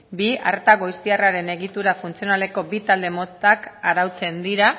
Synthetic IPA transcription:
bia̰ɾt̪aɣojst̪iaraɾe̞ne̞ɣit̪uɾafunt͡sio̞nale̞ko̞bit̪ald̪e̞mo̞t̪akaɾawt͡se̞nd̪iɾa

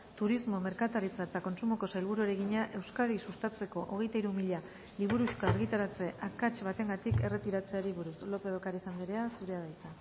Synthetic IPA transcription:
t̪uɾizmo̞me̞ɾkat̪aɾit͡saet̪ako̞nsumo̞ko̞sajlβ̞uɾuaɾeɣiɲaʔe̞wskaðisust̪at͡se̞ko̞ʔoɣ̞e̞jt̪aiɾumiʎa | liβuɾuʃkaːɾɣ̞it̪aɾat͡se̞ʔakat͡ʃβat̪e̞ŋɡat̪ike̞re̞t̪iɾat͡se̞aɾiβuɾuslo̞pe̞ðokaɾisand̪eɾeasuɾe̞að̞ajt͡s̪a

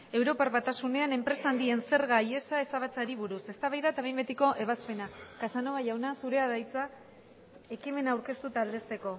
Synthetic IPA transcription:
e̞wɾo̞parβat̪asune̞ane̞mpɾe̞saːnd̪ie̞nse̞ɾɣaje̞sae̞saβat͡saɾiβuɾuse̞st̪aβajðaet̪aβejmbe̞t̪iko̞ʔe̞β̞aspe̞nakasanoaʝawnasuɾe̞aðajt͡sa | e̞kime̞naːwɾke̞st̪ut̪aːld̪e̞st̪e̞ko̞

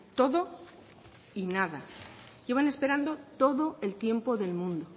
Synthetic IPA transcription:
t̪o̞ðo̞ | inaða | ʝeβane̞spe̞ɾand̪o̞t̪o̞ðo̞elt̪je̞mpo̞ðe̞lmũnd̪o

